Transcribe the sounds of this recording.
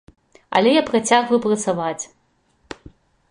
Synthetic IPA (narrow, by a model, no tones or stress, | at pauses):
ɐ̰lʲɛjapɾat͡sʲaɣvɐjupɾɐt̪savat͡sʲ